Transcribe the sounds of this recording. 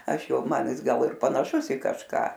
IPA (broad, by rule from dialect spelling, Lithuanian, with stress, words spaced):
ɐʃ ˈjɛʊ ˈmɐn ˈjɪs ˈɡɐlˠ ɪr pɐnɐˈʃʊs ɪ kɐʃˈkɑː